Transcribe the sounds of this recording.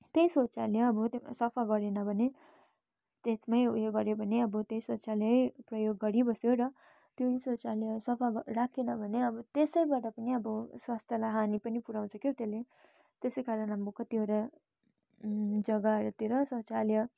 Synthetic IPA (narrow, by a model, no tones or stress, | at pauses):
t̪ejsot͡saleʌbʌsʌpʰaɡʌɾenʌbʱʌne | t̪esmʌjueɡʌɾjobʱʌneʌbʌt̪ejsot͡saleʌjprʌjoɡːʌɾibʌsjoɾʌ | t̪joisot͡saleʌsʌpʰaɡrakʰenʌbʱʌneʌbʌt̪esʌjbaʈapʌniʌbʌswast̪ʰjʌlaɦanipʌnipuɾaw̃t͡sʰʌkjot̪ele | t̪esʌjkaɾʌnɦambukʌt̪joɾʌ | d͡zʌɡaɾt̪iɾʌsot͡saljʌ